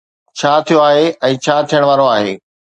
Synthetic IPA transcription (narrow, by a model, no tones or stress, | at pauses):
t͡ɕʰaːt̪ʰijoaːɦeɛ̃ːt͡ɕʰaːt̪ʰijəɽ̃ʋaːɾoaːɦḛː